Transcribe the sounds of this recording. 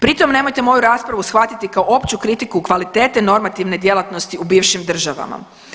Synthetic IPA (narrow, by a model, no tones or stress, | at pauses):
pɾit̪o̞mne̞mojt̪emo̞juɾaːspɾaʋusxʋat̪it̪ikaoo̞pt͡ɕukɾit̪ikukʋalit̪e̞ːt̪eno̞ɾmat̪iʋne̞d̪je̞lˠat̪no̞st̪iubiːʋʃimd̪r̩ʒaʋa̰ma̰